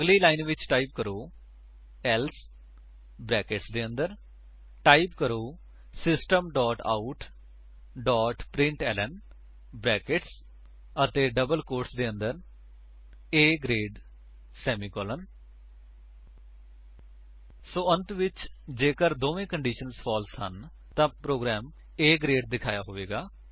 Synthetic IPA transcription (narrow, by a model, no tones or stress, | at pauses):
əɡliːlaːɪnʋɪt͡ʃʈaːip̚kəɾoː | ɛːls | bɾɛːkɪʈsd̪eːə̃nd̪əɾ | ʈaːipkəɾoː | sɪsʈəmɖɔːʈa̰ːuʈ | ɖɔːʈpɾɪ̃ɳʈɛːlən | bɾɛːkɪʈs | ət̪eːɖəbəlkoːɾʈsd̪eːə̃nd̪əɾ | eːɡɾeːɖ | sɛːmiːkɔːlən | soːənt̪ʋɪt͡ʃd͡ʒeːkəɾd̪oːʋẽːkəɳɖiːʃənspʰɔːlshə̰n | t̪ãːpɾoːɡɾɛːm | eːɡɾeːɖ̚d̪ɪkʰaːjaːɦoːʋeːɡaː